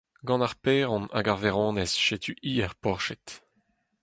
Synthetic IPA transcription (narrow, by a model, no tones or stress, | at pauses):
ɡɑ̃naʁpɛːʁɔ̃na̰ɡaʁvɛʁɔ̃ːnɛzʃet̪ʰyʔiːɛʁpɔʁʃɛt̪